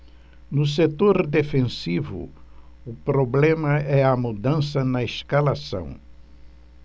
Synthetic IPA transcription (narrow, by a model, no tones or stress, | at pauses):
nʊs̬et̪oɾd̪efẽsivʊ̰ | ʊpɾoblẽmɐɛɐmud̪ɐ̃sɐnɐeskalasɐ̰̃w̃